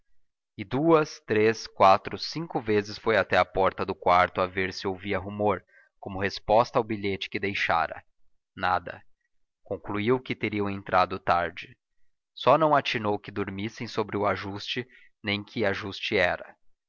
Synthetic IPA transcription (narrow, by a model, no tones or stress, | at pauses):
ɪd̪uɐst̪ɾeskwat̪ɾʊsĩŋkʊvezɪsfojat̪ɛɐpɔɾt̪ɐd̪ʊkwaɾt̪ʊaveɾsɪowviɐɦumoɾ | kõmʊhespɔst̪ɐawbiʎet͡ʃɪ̥kɪd̪ejʃa̰ɾɐ̰ | nad̪ɐ̰ | kõkluiwʊkɪt̪eɾiɐ̃w̃ẽnt̪ɾad̪ʊt̪aɾd͡ʒɪ | sɔnɐ̃w̃at͡ʃinowkɪd̪oɾmisẽj̃sobɾɪʊaʒust͡ʃɪ | nẽj̃kʰɪaʒust͡ʃɪɛɾɐ